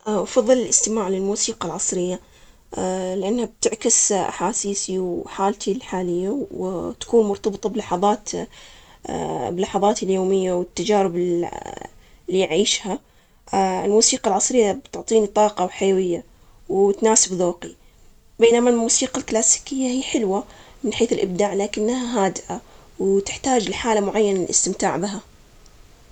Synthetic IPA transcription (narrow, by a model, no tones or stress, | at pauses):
ʔfɑðˤːɨlɪlʔɪst̪ɪmaːʕlɪlmuːsiːqalʕɑsˤɾɪjːa | lɪʔanːhab̚t̪ɪʕkɪsʔa̰ħaːsiːsiwħaːlt̪ʰilħaːlɪjːawt̪ḁkuːnmʊɾt̪ɑbɨt̪ˤɑblɑħɑðˤɑːt̪ | bɪlːɑħɑðˤɑːt̪ɪljoːmɪjːawɪt̪ːad͡ʒaːɾɪb | lːiʕiːʃha | ɪlmuːsiːqɑlʕɑsˤɾɪjːabt̪ʊʕt̪ˤiːnit̪ˤɑːqɑwħajawɪjːa | wt̪naːsɪbðoːqi | beːnamalmuːsiːqalklaːsi̥kɪjːahijːħɪlwamɪnħeːθɪlʔɪb̚d̪aːʕlaːkɪnːhaɦaːd̪ɪʔawt̪ɪħt̪aːd͡ʒlɪħaːlamʊʕajːanaɪlʔɪ̰st̪ɪmt̪aːʕbɪɦa